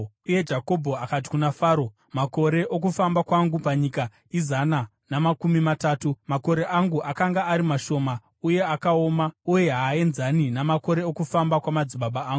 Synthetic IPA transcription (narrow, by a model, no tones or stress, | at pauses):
uje̞d͡ʒako̞bʱo̞akat̬i̥kunafaːɾo̞ | mako̞ɾe̞ʔok̬ufambakwaŋɡupaɲika | izana | namakumimataːtumako̞ɾe̞ʔaŋɡuʔakaŋɡaːɾimaʃo̞ma | uje̞akao̞mauje̞ɦaːe̞nzaninamako̞ɾe̞okufambakwamad͡ziɓaɓaːŋɡu